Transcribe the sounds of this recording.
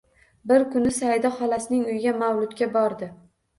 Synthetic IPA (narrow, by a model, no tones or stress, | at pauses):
bɪɾkʊnɪsajd̪ɒχɒlasɪnɪŋʊjɡʲamawlʊt̪kʲabɒɾd̪ɪ